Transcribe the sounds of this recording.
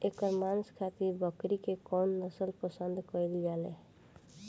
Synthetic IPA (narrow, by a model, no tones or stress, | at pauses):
ekəɾmanskʰat̪iɾbəkɾikekɔnːəsəlpəsənd̪ʱkəld͡ʒalɛ̰